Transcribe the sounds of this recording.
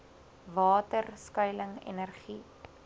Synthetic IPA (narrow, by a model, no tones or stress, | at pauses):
vɑːtərskœjləŋɛ̰nərχi